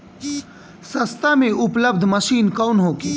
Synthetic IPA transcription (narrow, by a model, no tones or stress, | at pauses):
sɐst̪amẽʔʊpləbd̪ʱməʃiːnkɔːnɦoːkeː